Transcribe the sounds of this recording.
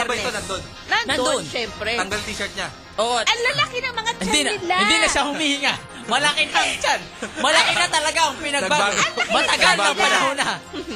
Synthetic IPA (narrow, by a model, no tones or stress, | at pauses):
bɐonɐnd̪on | nɐnnɐoʃɛmpɾɛɐŋɡɐlt̪iʃɐɹt̪̚ɲa | ʔoːʔoɐŋlɐlakɪnɐŋmɐŋat͡ʃɪnd̪nɪɪnd̪inɐʃahʊmiːhɪŋa | mɐlakɪnɐŋt͡ʃan | mɐlɐkɪɐt̪ɐlɐɡaʔɐŋpɪnɐɡ̚baɐmɐt̪ɐɡalɐŋpɐnɐɦona